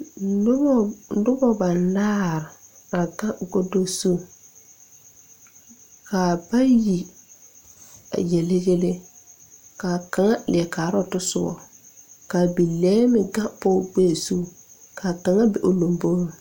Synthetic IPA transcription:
lʊ˦bɔ˦ba˨nlaː˦ɾɪ˨ | a˨ɡã˦ʔɡo˦do˦su˦˨ | ka˨ba˦ji˨ | a̰˨jɛ˨le˦ɡe˦le˦ | ka˨ka˨ŋa˦lɪ˨ɛ˨kaː˨ɾɔ˦˨tʊ˦sʊ˦bɔ̰˨ | ka˨bi˨lɛː˦mɪ˨ɡã˦pɔ˦˨ɡ͡be˦˨su˦˨ | kaː˨ka˨ŋa˦bɛ˨ʔʊ˨lo˨mbo˦ɾo˨

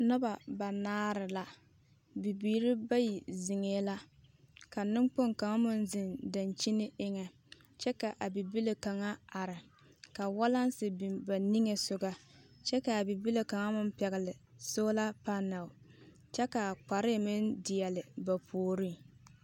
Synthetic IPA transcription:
nʊ˦ba˨ba˨naː˦ɾɪ˨la˨ | bi˨biː˨˦ɾi˦ba˦ji˨zɪ˨ŋeː˦la˦ | ka˨nɪ˦mk͡po˦ŋka˨ŋa˦mʊ˦nzɪ˨nda˨nt͡ʃi˦nɪ˦ɪ˦ŋɛ˨ | t͡ʃɛ˦ka˨ʔa˨bi˨bi˦le˨ka˨ŋa˦a˨ɾɪ˨ | ka˨wa˦la˦n˦sɪ˨bi˨mba˨ni˦ŋe˨sʊ˨ɡa˦t͡ʃɛ˦ka˨a˨bi˨bi˦le˨ka˨ŋa˦mʊ˦m˦pɛ˨ɣɪ˨lɪ˨ | soː˦la˦pa˦na˨ʊ˨ | t͡ʃɛ˦ka˨k͡pa˨ɾɪ˦˨mɪ˦ndɪ˨jɛ˨lɪ˨ba˨pʰoː˨ɾi˦˨

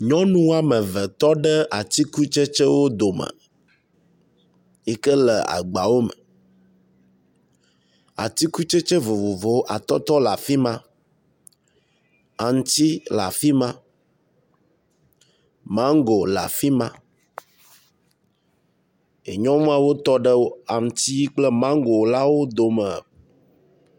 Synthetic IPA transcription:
ɲɔ̃˦nũ˦a˨mə̃˨və˨t̪ɔ˦ɖə˦ʔa˨t̪i˦ku˦t͡ʃe˦t͡ʃɛ˦wo˦d̪o˨mə̰̃˨ | ɛ˦kə˦lɛ˨a̰˨ɡ͡ba˨wo˦mə̰˨ | a̰˨t̪i˦ku˦t͡ʃe˦t͡ʃə˦vo˨vo˨vo˨wo˦ʔa˨t̪ɔ˦t̪ɔ˦la˨fi˦mã˦ | a˨ŋ˦t̪i˦la̰˨fi˦mã˦ | mã˦ŋ˦ɡo˨la̰˨fi˦mã˦ | ḛ˨ɲɔ̃˦mũ˦a˨wo˦t̪ɔ˦ɖə˦wo˦a˨ŋ̩˨t̪i˦ji˦k͡plɛ˦mã˦ŋ˦ɡo˨˦la˦wo˦d̪o˨mɛ˨

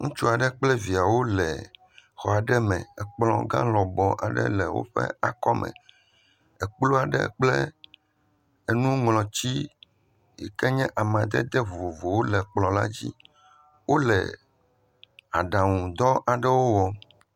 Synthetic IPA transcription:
ŋṵ̃˦t͡ʃu˦a˨ɖɛ˦k͡plɛ˦vi˨a˨wo˦lɛ˨ | xɔ˨a˨ɖɛ˦mɛ̰̃˨ɛ˨k͡plɔ̰̃˨ɡã̰˦lɔ˨bɔ˨ʔa̰˨ɖɛ̰˦lɛ˨wo̰˦ɸɛ̰˦a˨kɔ˦mʔɛ̰̃˨ | ɛ˨k͡plo˦a˨ɖɛ̰˦k͡plɛ˦ | e˨nũ˦ŋlɔ̃˨t͡ɕi˦ | jɛ̰˨kɛ˦ɲɛ̃˦ʔa˨mã˨d̪ɛ̰˦d̪ɛ˦vo˨vo˨wo˦lɛ˨k͡plɔ̃˨la̰˦d͡ʑḭ˦ | wo˦lɛ̰˨ | a̰˨ɖã˨ŋũ˨d̪ɔ˦ʔa˨ɖɛ˦wo˦wɔ˨

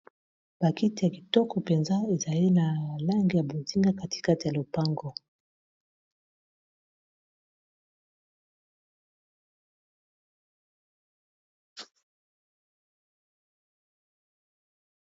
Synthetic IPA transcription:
b̥a˨ki˦ti˨ja˨ki˨tɔ˦kɔ˨pe˨nza˦e˨za˨li˦na˨la˦ŋɡi˨ja˨bo˨zi˦ŋɡa˦ka˦ti˨ka˦ti˨ja˨lo˨pa˦ŋɡɔ˦

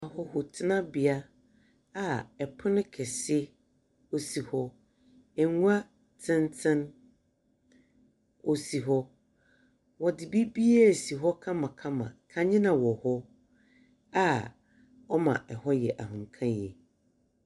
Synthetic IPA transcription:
a˨hɔ˦hʊ˨tʰɪ˦nã˦bɪ˨a˦ | a˨ɛ˨pʰʊ˦nɪ̃˦kʰɛ˨sɪ˦ | o˨si˨hɔ˦ | ɛ˨ŋu˦a˦ | tʰɪ̃˦ntʰɪ̃˦n | o˨si˨ɦɔ˦ | wɔ˨dɪ˨bi˦bi˦e˦˨si˨ɦɔ˦kʰã˦mã˨kʰã˦mã̰˨kʰã˦ɲɪ̃˦nã˨wɔ˨hɔ˦ | a˨ | ɔ˦mã̰˨ʔɛ˨hɔ˦jɛ˨ʔa˨ɦʊ̃˨ŋ˨kʰã˦jɛ̰˨

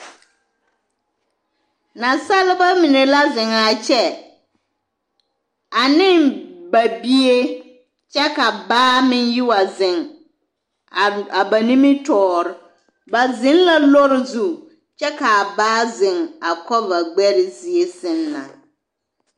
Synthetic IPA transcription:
na˨sa˦lɪ˦ba˦mi˨ne˨la˦zɪ˨ŋa˨t͡ʃɛ˦ | a˨nɪ˦nba˨bi˦e˦ | t͡ʃɛ˦ka˨baː˦mɪ˦nji˦wa˨zɪ˨ŋ˨ | a˨ba˨nĩ˦mi˦tɔː˨ɾɪ˨ | ba˨zɪ̃˦nla˦lɔ˦ɾɪ˨zu˦ | t͡ʃɛ˦ka˨baː˦zɪ˨ŋa˨kɔ˦va˨ɡ͡bɛ˦ɾɪ˨zi˨e˦sɪ˦nla̰˨

